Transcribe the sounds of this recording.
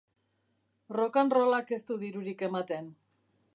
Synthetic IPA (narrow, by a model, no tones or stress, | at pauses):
ro̞kanrolake̞st̪uðiɾuɾike̞mat̪e̞n